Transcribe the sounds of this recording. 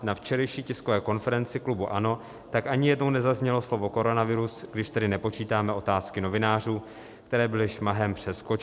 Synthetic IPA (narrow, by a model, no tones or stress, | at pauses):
naft͡ʃɛɾɛjʃiːcɪskovɛːko̞nfɛɾɛnt͡sɪklubuʔano̞ | t̪akʔaɲɪjɛdnownɛzazɲɛloslo̞vo̞ko̞ɾo̞navɪɾusɡdɪʃt̪ɛdɪnɛpo̞t͡ʃiːt̪aːmɛʔo̞t̪aːskɪno̞vɪnaːr̝uː | kt̪ɛɾɛːbɪlɪʃmaɦɛmpr̝̥ɛskot͡ʃ